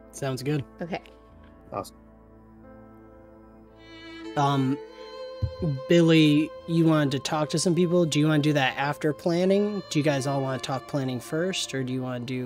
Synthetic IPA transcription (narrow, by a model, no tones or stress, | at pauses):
sãʊ̃ndzɡʊd̥̚oʊkʰeɪ | ɔ̰s̩ | ʌ̃m | b̥ɪlˠijɨwɑ̃ntɨtʰɔk̚tʰɨsʌ̃mpipl̩ˠdɨjɨwɑ̃nɨdɨðɨɾʔæftə˞pʰl̥ænɪ̃ŋd̥ɨjɨɡaɪzɔlˠwɑ̃nɨtʰɔk̚pʰl̥æñɪ̃ŋfɜ˞stə˞dɨjɨwɑ̃nɨdɨ